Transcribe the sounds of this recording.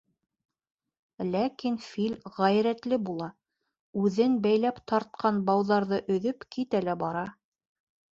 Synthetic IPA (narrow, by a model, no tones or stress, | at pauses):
lækinfilʲʁæjɾæt̪lɘbulˠɑ | ʉðɘnbæjlæpt̪ɑɾt̪̚qʰɑnbɑwðɑɾðɤʔɵ̆ðɵpkit̪ælæbɑɾɑ